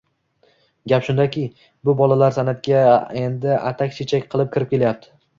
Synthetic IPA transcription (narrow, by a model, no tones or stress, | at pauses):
ɡʲapʃʊnd̪akʲʰɪ | bʊbɒlalaɾsanat̪kʲae̞nd̪ɪʔa̰t̪ʰakʲt͡ʃʰet͡ʃʰakʲqʰɨlˠɪp̚kʲʰɪɾɪp̚kʲe̞lajap̚t̪ʰɪ̥